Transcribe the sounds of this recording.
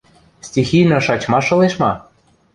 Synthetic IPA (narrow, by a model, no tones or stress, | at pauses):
stʲixijnɤ̆ʃɑt͡ɕmɑʃɤ̆leʃmɑ